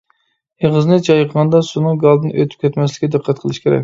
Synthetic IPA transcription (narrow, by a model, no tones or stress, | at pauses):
jeʁəznɨt͡ʃʰɑjqʰəʁɑnd̪ɑsunɨŋɡɑlˠd̪ɨnʔø̰t̪ʰy̥p̚kʲʰɛt̪mɛslɪkʲɪd̪ɨqʰːæt̪̚qʰəlˠɨʃkʲeɾɛ̰k̚ʲ